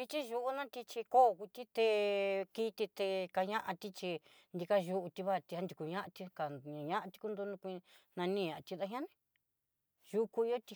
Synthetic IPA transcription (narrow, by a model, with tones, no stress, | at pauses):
i˧t͡ʃi˦ʒu˧ʔu˦nã˦t̪i˧t͡ʃi˧ko˦˨˧ku˧t̪i˦t̪e˧ki˦˧t̪i˧t̪e˧ka˧ɲã˦ʔã˧t̪i˦t͡ʃi˧ | nd̪i˧ka˧ʒu˧ʔu˧t̪i˧βa˦˨t̪i˧ha˦nd̪i˧ku˨ɲã˦ʔã˧t̪i˧kã˨ɲã˦ʔã˧t̪i̥˧ku˧˦nd̪u˧nũ˧kʷi˧nã˧nĩː˦˧ɲã˨ʔt̪i˧ða˧ɦã˦nĩ˧ | ʒu˧ku˧i˧o˦t̪i˧